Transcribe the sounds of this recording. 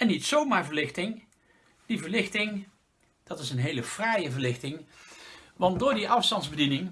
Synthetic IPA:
ɛnitsowmaːɹvəɹlɪxχtɪŋ | d̥ivəɹlɪxtɪŋ | d̥ɑtɪsənɦejləv̥rajəvəɹlɪχtɪŋ | ʋɑnddʊːɹdiʔɑfstɑndzbədinɪŋ

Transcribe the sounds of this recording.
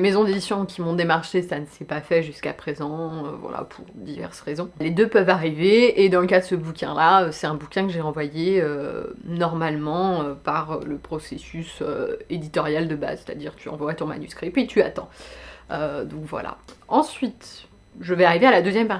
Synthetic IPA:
emezɔ̃d̪ed̪isjɔ̃kʲimɔ̃d̪emaʁʃesanəsɛpafɛʒyskapχezɑ̃ø̰vwa̰la̰pʰuʁd̪ivɛ̰ʁsʁezɔ̃led̪øpœvaʁiveːd̪ɑ̃ləkad̪əsəbukʲɛ̰̃laøsɛt̪ɛ̃bukʲɛ̃kəʒeɑ̃vwajeønɔʁmalmɑ̃øpaʁø̰ləpχɔsesysø̰ed̪it̪ɔʁjald̪əba̰zse̥t̪a̰d̪iʁt̪yɑ̰̃vwat̪ɔ̃ma̰nyskχipɥit̪ʰyat̪ɑ̃ød̪ɔ̃kvwa̰la̰ɑ̃sɥit̪ | ʒəvɛaʁivealad̪øzjɛmpa

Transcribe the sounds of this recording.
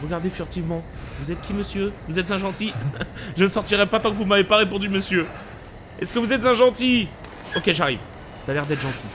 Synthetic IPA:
ʁəɡaʁd̪efyʁt̪ivmɑ̃vuzɛt̪̚kʲiməsjøvuzɛt̪zɛ̃ʒɑ̃t̪iʒənəsɔʁt̪iʁɛpat̪ɑ̃kəvumavepaʁepɔ̃d̪yməsjø | ɛskəvuzɛt̪zɛ̃ʒɑ̃t̪i | ɔkʲeʒaʁḭv | d̪alɛʁd̪ɛt̪ʒɑ̃t̪ʰi

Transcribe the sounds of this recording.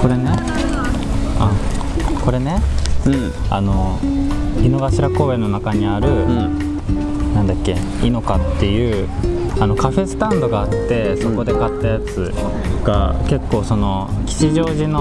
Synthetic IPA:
ko̞ɾe̞ne̞ | a | ko̞ɾe̞ne̞ | a̰no̞ | ino̞ɡaɕiɾako̞ːbe̞no̞nakaɲ̟iaɾɯ̟ | nãnd̪akʲːe̞ | ino̞kat̪ːe̞jɯ̟ː | ano̞kaɸe̞sɨ̥t̪ãnd̪o̞ɡaːt̪ːe̞so̞ko̞d̪e̞kat̪ːajat͡sɨ | ɡ̥ake̞kːo̞ːso̞no̞kʲi̥ɕiʑo̞ːʑino

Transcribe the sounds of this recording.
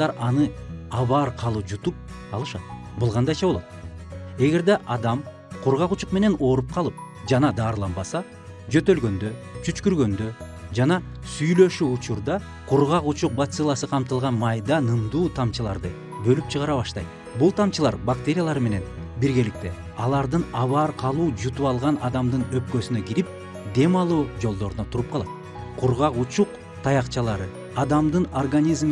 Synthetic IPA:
ɑɾɑnɯɑβɑːɾqʰɑlˠɯp̚d͡ʒut̪up̚ | ɑlˠɯʃɑ̰t̪ | bulˠʁɑnd̪ɑjt͡ʃɑβo̞lˠo̞t̪e̞ɡe̞ɾd̪eʔɑd̪ɑm | qʰuɾʁɑqut͡ʃuqme̞ne̞no̞ɾup̚qʰɑlˠɯp̚ | d͡ʒɑnɑd̪ɑːɾlˠɑnbɑsɑ | d͡ʒø̞t̪ø̞lɡø̞nd̪ø̞t͡ʃʰyt͡ʃkyɾɡø̞nd̪ø̞ | d͡ʒɑnɑ | syjlø̞ʃyut͡ʃuɾd̪ɑ | qʰuɾʁɑqut͡ʃuq̚bat̪sɨlˠɑsɯqʰɑmt̪ɯlˠʁɑnmɑjd̪ɑnɯmd̪uːt̪ʰɑmt͡ʃɯlˠɑ̰ɾd̪ɯ | bø̞lypt͡ʃʰɯʁɑɾɑβɑʃt̪ɑ̰jt̪̚ | bulˠt̪ʰɑmt͡ʃɯlˠɑɾbak̚t̪ʲe̞ɾʲijalˠɑɾme̞ne̞nbiɾɡe̞lik̚t̪e̞̰ | ɑlˠɑɾd̪ɯnɑβɑːɾqʰɑlˠuːd͡ʒut̪uɑlˠʁɑnɑd̪ɑmd̪ɯnø̞p̚kø̞synøɡiɾip̚ | d̪e̞mɑlˠuːd͡ʒo̞lˠd̪o̞ɾunɑt̪ʰuɾup̚qʰɑlˠɑt̪̚ | qʰuɾʁɑqut͡ʃuq | t̪ʰɑjɑqt͡ʃɑlˠɑɾɯ | ɑd̪ɑmd̪ɯnorɡanʲizm

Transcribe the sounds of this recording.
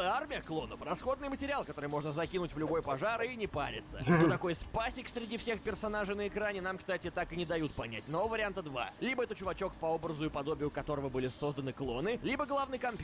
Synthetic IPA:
armʲɪjəklˠo̞nəfrɐsxo̞d̪nɨjmətʲɪɾʲɪalˠkɐt̪o̞ɾɨjmo̞ʐnəzɐkʲinʊtʲvlʲʊbo̞jpɐʐaɾinʲɪpa̰ɾʲɪ̰t̪sə̰ot̪ɐko̞jspasʲɪksɾʲɪdʲifsʲe̞xpʲɪrsɐnaʐɨnəɪkɾanʲɪnamkst̪atʲɪt̪akɨnʲɪd̪ɐjut̪̚pɐnʲæ̰tʲnovəɾʲɪant̪əd̪va̰lʲibəɛt̪ət͡ɕʊvɐt͡ɕokpɐo̞bɾəzʊjʊpɐd̪o̞bʲɪjʊkɐt̪o̞ɾəvəbɨlʲɪso̞zd̪ənɨklˠo̞nɨlʲibəɡlˠavnɨjkɐmpʲ

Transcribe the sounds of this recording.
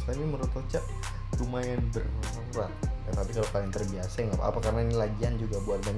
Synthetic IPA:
sanniməɾut̪ot͡ʃaʔ | rumajanbərɔsɔŋɾat̪̚ət̪apikalokalnt̪ərbiasajaŋapa̰pakarnainilaɡiand͡ʒuɡabuat̪̚ban

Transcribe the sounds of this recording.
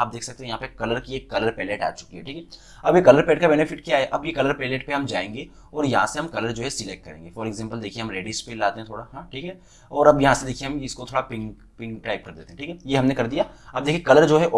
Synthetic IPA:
aːp̚d̪eːksɐk̚t̪eɦɛ̃jɐɦãpɐkɐləɾkieːkːɐləɾpɛːleːʈa̰ːt͡ʃʊ̥kiɦɛ̰ʈʰiːkɛ | ɐbjekɐləɾpɛːʈkabɛːnɪfɪʈ̚kjaːɦɛʔɐbjekɐləɾpɛːleːʈ̚peɦɐmd͡ʒaːẽːŋɡe | ɔːɾjɐɦãseɦɐmkɐləɾd͡ʒoːɦɛsɪlek̚ʈ̚kɐɾḛ̃ːŋɡefɔːɾeɡzɛ̃ːmpəld̪eːkʰiẽɦɐmɾeːɖispeːllaːt̪eɦɛ̃t̪ʰoːɽaɦãʈʰiːkɦɛ | ɔːɾɐbjɐɦãsed̪eːkʰieɦɐmɪskot̪ʰoːɽapɪ̃ŋk | pɪ̃ŋkʈaːɪp̚kɐɾd̪ḛt̪ẽɦɛ̃ʈʰiːkɛjeɦɐmnekɐɾd̪ijaɐːb̚d̪eːkʰijekɐləɾd͡ʒoːɦɛʔ

